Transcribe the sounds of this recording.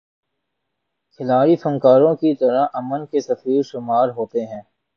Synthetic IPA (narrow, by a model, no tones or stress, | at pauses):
kʰɪlaːɽisʊ̃ŋkaːɾõkit̪ɐɾaʔɐmənkesɐfiːɾʃʊmaːɾɦoːt̪eɦɛ̃ː